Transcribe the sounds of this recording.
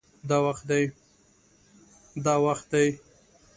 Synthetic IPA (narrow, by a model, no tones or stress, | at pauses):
d̪ɑwaxt̪̚d̪aj | d̪ɑwaxt̪̚d̪aj